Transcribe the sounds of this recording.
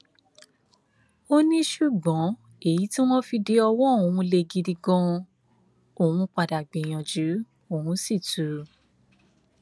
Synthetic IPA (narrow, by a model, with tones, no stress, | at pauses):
o˦nĩ˦ʃu˦˨ɡ͡bɔ̃˨˦ | e˦˨ji˨˦ti˦w̃ɔ̃˦fi˧de˨˦ɔ˧wɔ̃˦˨wũ˧le˧ɡi˧di˧ɡɔ̃˧ | o˦˨wũ˧k͡pa˧da˨ɡ͡be˨j̃ɔ̃˨d͡ʒu˨˦ | o˦˨wũ˧˦si˦˨tu˨˦